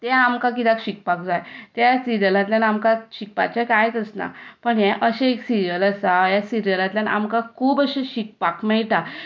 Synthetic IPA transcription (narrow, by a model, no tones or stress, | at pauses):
t̪ẽamkak̬it̪akɕik̚pakd͡zajt̪jasiɾijəlãt̪̬ljanamkaɕik̚pa̰t͡ɕakajt̪əsna̰pəɳjɛ̃ʔəɕẽeksiɾijələsajasiɾijəlãt̪ljanʔa̰mkakʰuːbəɕẽɕik̚pakmɛɭʈ̪a